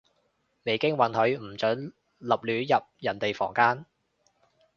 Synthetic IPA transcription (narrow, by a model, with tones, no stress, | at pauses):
ne˨˧jkɪ˥ŋwɐ˨˥nhɵ˨˧ɥm̩˨˩t͡ʃœː˨˥n | lɐ˨p̚lyː˨˧˥jɐ˨p̚jɐ˨˩nt̪e˨jfɔ̰ː˨˩ŋkaː˥n